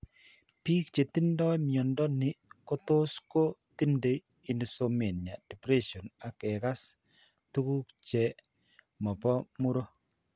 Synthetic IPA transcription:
piː˦kt͡ʃe˨ti˦ndɔ˦jmjɔ˨ndɔ˦nɪ˨ko˦to˦sko˦ti˦nde˨ | i˨nso˨me˨nja˨d̥ɛ˨pɾɛ˦sjɔ˨na˨kɛ˨ka˦s | tu˦ku˦kt͡ʃɛ˨ | mɔ˨pɔ˦mu˦ɾo˦

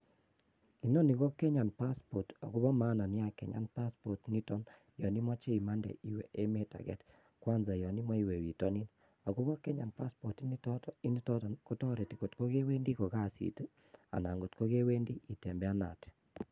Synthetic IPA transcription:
i˨nɔ˦ni˨ɣɔ˦kɛ˦ɲa˨npa˦spɔ˨tɔ˨ku˦βɔ˦ma˦na˨ni˦a˨kɛ̰˨ɲa̰˦npa˦spɔ˨tni˦tɔ˦n | jɔ˨ni˦mɔ˦t͡ʃe˦i˨ma˦ndɛ̰˨ʔi˦we˨ʔe˦me˦ta̰˨ɣɛ̰˨t | kwa˦nza˨jɔ˨ni˦mɔ˦i˦˨we˨wi˨tɔ˦ni˦n | a˨ku˦βɔ˦kɛ˦ɲa˨npa˦spɔ˨ti˦i˦i˦ni˦tɔtko˦tɔ˦ɾe˨ti˨ko˨tko˦ɣe˦we˦ndi˦ko˨ɣa˦sḭ˨te˦ | a̰˨na˨ŋɡo˨tko˦ɣe˦we˦ndi˦ʔi˨tɛ˨mbɛ˦a˦na̰˨te̥˨

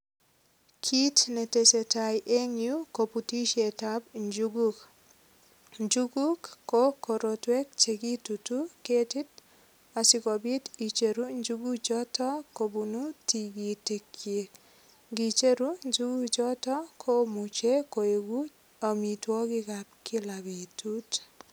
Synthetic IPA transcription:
kʰi˦tne˨te˨se˨ta˨jʔe˦ŋju˦ko˨pu˨ti˦ʃe˨ta˦bd͡ʒɡ | ɲd͡ʒuɡu˦kːoko˨ɾo˨twe˦k̚t͡ʃe˨ɡi˦tutu˦ke˦ti˦t̚ | a˨si˨kɔ˨bi˦ti˨t͡ʃe˨ɾu˦ɲd͡ʒuɡu˦t͡ʃɔ˦tɔ˦ko˨bunu˦ti˨ɡi˨te˨ke˨k | ɡi˨t͡ʃe˦ɾu˦ɲd͡ʒu˦ɡu˦t͡ʃɔ˦tɔ˦kʰo˦mu˨t͡ʃe˦ko˨e˨ɡu | a˨mi˨twɔ˦ki˦kap̚ki˦labe˨tut

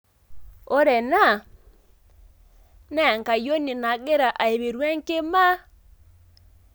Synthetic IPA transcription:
ɔ˦ɾɛ˨na˦˨ | nɛ˦˨ŋka˨jo˦ni˨na˨ɡe˦ɾa˨ʔa˨e˨βi˨ɾwɛ˦ŋke˦ma˦

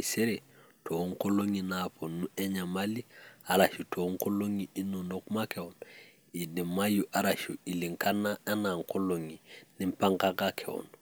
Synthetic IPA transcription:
i˨se˦ɾetʰo˨ŋko˦lo˦ŋi˨na˨po˨nu˦ɛ˦ɲa˨ma˦li˦a˨ɾaʃu˨tʰo˨ŋko˦lo˦ŋii˦nu˨no˨ku˦makɛwo˨nɔ | i˨di˨ma˦ju˨ʔa˨ɾaʃu˨i˨li˨ŋka˦na˦a˦na˨ŋko˦lo˨ŋi˨nĩ˦mpa˦ŋka˦kakʰɛ˨wɔ̰˨nɔ

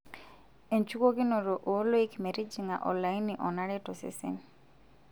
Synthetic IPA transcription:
e˨nt͡ʃu˦ko˦ɡɪ˦no˨ɾo˨ʔo˨˦lo˦i˦kme˨ɾi˦d͡ʒiŋa˨ʔɔ̰˨nla˨jnːi˨ʔɔ˨na˦ɾɛ˦tɔ˨sḭ˦sḭ˨n

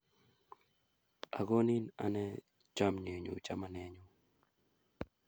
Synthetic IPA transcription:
a˨ɡo˦ni˦na̰˨nɛ˦ | t͡ʃa˦mɲe˨ɲo̰˨t͡ʃa˦ma˦nɛ˦ɲo˦

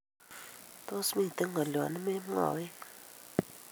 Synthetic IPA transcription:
t̪o˦smĩ˦˨t̪ə˦ŋɡa˨lja˨nə˦me˦m˦a̰˨we˦

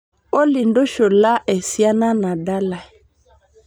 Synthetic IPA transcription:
o˦li˨ndo˦ʃo˨la˦ʔɛ˨si˦a˦na˦na˨da˦la˨

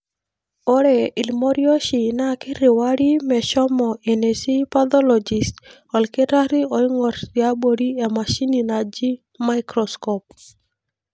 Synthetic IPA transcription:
ɔ˦ɾɛ˨i˨lmɔ˦ɾjo˦ʃi˨na˦kɪ˦ɾe˨wa˦ɾi˦mɛ˨ʃɔ˦mɔʔe˨ne˨si˦pa˦d̪ɔ˦lɔ˨d͡ʒi˨st | ɔ˨lke˦ɾa˦ɾi˦o˨i˦ŋɔ˨ɾti˨a˦bo˨ɾi˦e˨ma˨ʃi˦ni˨na˨d͡ʒi˦ | ma˦ɪkɾɔskɔp̚

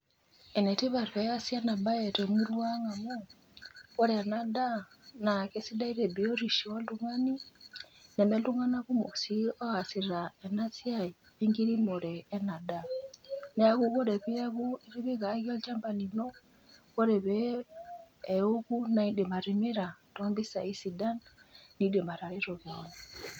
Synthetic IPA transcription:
ɛ˨nɛ˨ti˦βa˨ɾβɛ˨ɣa˦sjana˨ba˦ɛ˨tɛmu˦lwa˦ŋa˨mo˦ | kɔ˦ɾɛː˨na˨da˦ | na˨ke˦si˦da˦i˦ɾɛ˨bi˨o˦ɾi˨ʃiɔ˦lu˦ŋani˦ | nɛ˨mɛ˦lu˦ŋa˦na˦βu˦mo˨si˦ɔ˦a˨si˨ɾaɛ˨na˦si˦ai | ɛŋɡi˦ɾi˦mɔ˨ɾɛː˦na˨da˨nɛ˦a˦ɣu˦ɣɔ˦ɾɛ˨βi˦a˦ɣu˦i˦ɾi˦βi˦ɣa˨ɣɔ˦lt͡ʃa˦mba˨ni˨nɔ˦ | kɔ˦ɾɛ˨βɛ˨ | o˦ɣu˦na˨i˦de˨ma˨ɾi˨mɛ˦ɾa˨tɔmbi˦sa̰˨i˦si˨da˦nni˨˦dɛ˨ma˨ɾa˨ɾɛ˦ɾɔ˨βjɔ˨na

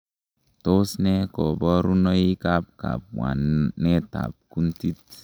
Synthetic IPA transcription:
to˦snɛ˦kɔ˨bɔ˦ɾu˦nɔ˦i˦ka˦p̚ka̰˨p̚wa̰˨nːɛ˦ta̰˨p̚ku˦nti˦t

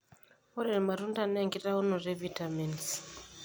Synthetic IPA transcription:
o˦ɾe˨ɾma˨ɾu˦nda˦˨ne˦˨ŋɡi˦ɾa˦u˦no˨ɾe˦vita˨me˨ns

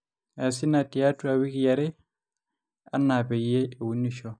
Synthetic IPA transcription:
a˨si˦na˨ti˨a˦tua˨wi˦kija˨ɾɛ˦ | a̰˦nːa˨pɛ˨je˦e˨wu˦nːi˨ʃɔ˦

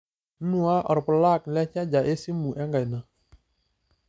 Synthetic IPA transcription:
nu˦a˦ʔɔ̰˨ɾpə˨la˦˨k̚lɛ˦t͡ʃa˦d͡ʒa˨ʔe˦si˦mu˨ʔɛ˦ŋɡa˨jna˨

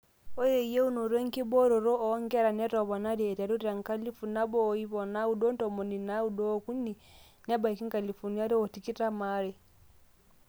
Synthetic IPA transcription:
ɔ˦je˨i˨je˦u˦nɔ˨ɾwɛ˦ŋ˦ki˦bɔ˦ɾɔ˨ɾɔ˦ʔɔ˨˦ŋɡɛ˦ɾa˨nɛ˦tɔ˨βɔ˨na˦ɾiː˨ta˨ɾu˦ɾa˨ŋka˦li˦fu˨na˦bɔː˦˨i˦βɔ˨na˦u˨dɔ˦n˦tɔ˨mɔ˨ni˨na˦u˦dɔ˦ku˦nː˦i˨ | na˦ba˨ki˦ŋ˦ka˨li˨fu˨ni˦a˦ɾɛ˦wɔ˨ti˨ki˦ta˦ma˦ɾɛ˨

